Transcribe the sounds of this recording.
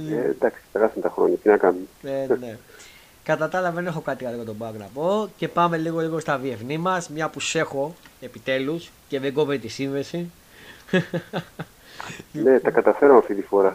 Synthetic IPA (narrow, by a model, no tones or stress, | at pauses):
ed̪ɐksi̥t̪eɣɐsumet̪ɐxɾoɲɐt̪inɐkɐnumeene̞ | kɐt̪ɐt̪ɐlɐvene̞xo̞kɐt̪ikɐliɣot̪obɐknɐ̰po̞ce̞pɐme̞liɣo̞liɣo̞st̪ɐvie̞fnimɐsmɲɐpuse̞xo̞e̞pit̪e̞lus | ce̞ðeɡo̞vet̪isinðe̞si | net̪ɐkɐt̪ɐfe̞ɾomɐft̪it̪ifo̞ɾɐ